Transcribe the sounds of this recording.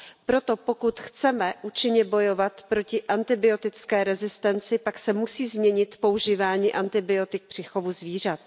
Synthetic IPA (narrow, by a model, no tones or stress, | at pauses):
pɾo̞t̪o̞po̞kut̪xt͡sɛmɛʔuːt͡ʃɪɲɛbo̞jo̞vat̪pɾo̞cɪʔant̪ɪbɪo̞t̪ɪt͡skɛːɾɛzɪst̪ɛnt͡sɪpaksɛmusiːzmɲɛɲɪt̪po̞uʒiːvaːɲiːʔant̪ɪbɪo̞t̪ɪk̚pr̥ɪxo̞vuzviːr̝at̪